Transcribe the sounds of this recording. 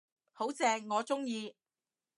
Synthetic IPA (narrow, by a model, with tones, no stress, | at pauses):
ho˨˥wt͡sɛː˧ŋːɔː˨˧t͡sʊ˥ŋjiː˧